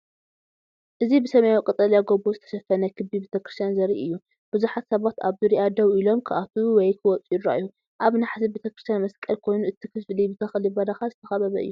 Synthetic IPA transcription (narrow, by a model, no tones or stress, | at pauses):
ʔɨzibɨsɐmɐjakʼɨt̪ʼɐljaɡobozɨt̪ʰɐ̥ʃɐfɐnɐkʰɨbibet̪ʰɐkɾɨst̪ʰjanzɐɾiʔɨjːu | b̥ɨzuħat̪sɐβat̪aβzɨɾiʔad̪ɐwilo̞mkʰɨʔat̪ʰuwɔjkʰɨwɔt͡sʼujidɾajːu | ʔaβnaħzibet̪ʰɐkɾɨst̪ʰjanmɐskʼɐlkʰo̞jnuɨt̪ʰikʰɨflibɨt̪ʰɐxlibɐd̪axazɨt̪ʰɐxɐβɐβɐ̰ʔɨ̰jːu